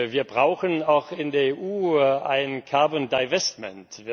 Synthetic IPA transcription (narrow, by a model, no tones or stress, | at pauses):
viːɐbʁaʊxənaʊxɪndeːɐeːʔuːa̰ɪnnkʰaɐbɔndaɪvɛstmɛ̰nt